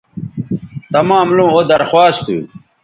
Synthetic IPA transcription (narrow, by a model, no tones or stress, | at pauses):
t̪ɐmãːmlũːod̪ɐɾxwaːst̪ṵ